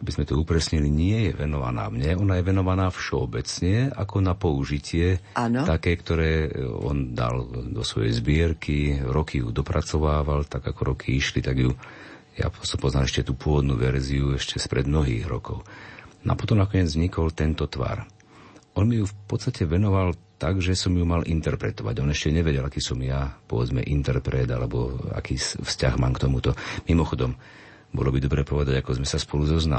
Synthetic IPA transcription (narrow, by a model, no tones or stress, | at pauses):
abizmɛt̪ɔupɾɛsɲiliɲɪɛjɛʋɛnɔʋa̰na̰ːmɲɛɔnajɛʋɛnɔʋanaːfʃɛɔ̰bɛt͡sɲɛa̰kɔnapɔuʒicɪɛant̪akɛːkt̪ɔɾɛːɔ̰nd̪a̰ld̪ɔsʋɔjɛ̰jzbɪɛɾkʰiɾɔkʰijṵd̪ɔpɾat͡sɔʋaːʋalt̪aɡakɔɾɔkʰiiʃlit̪aɡju | ja̰pɔsɔmpɔznamɛʃcɛt̪uːpʊɔʋɔd̪nuʋɛɾziuɛʃcɛspɾɛd̪mnɔɦḭːɣɾɔ̰kɔʊnɔ̰a̰pɔt̪ɔmnakɔɲɛd͡zvɲikɔlt̪ɛnt̪ɔt̪ʋa̰ɾ | ɔnmijufpɔt͡sst̪acɛʋɛnɔʋalt̪aɡʒɛsɔmjumalʔint̪ɛɾpɾɛt̪ɔʋa̰ɟɔnɛʃcɛɲɛʋɛɟɛlakiːsɔmjapɔʋɛd͡zmɛ̰ʔint̪ɛɾpɾɛd̪alɛbɔa̰kiːsfscaɣmaːmkt̪ɔmut̪ɔmimɔxɔd̪ɔm | bɔ̰lɔbid̪ɔbɾɛːpɔʋɛd̪aɟakɔzmɛsaspɔluzɔzna̰